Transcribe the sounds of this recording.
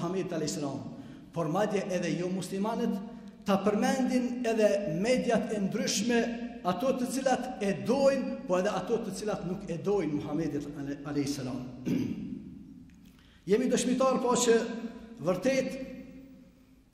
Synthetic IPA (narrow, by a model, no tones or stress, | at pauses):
hamɛd̪̚t̪alɛhsalɑːm | pɔɾmad̪jɛʔɛðɛjomuslimanət̪ː | apɛɾmɛnd̪ɪnɛðɛmɛd̪jat̪ʰɛnd̪ɾʏʃmɛat̪ɔt̪ːət͡silat̪ɛd̪ɔjnpɔɛðɛat̪ɔt̪ːət͡silat̪nukɛd̪ɔjnmuhamɛd̪əalɛsalɑːm | jɛmid̪ɔʃmit̪ɑːɾpɔɔt͡ʃəvɛɾt̪eːt̪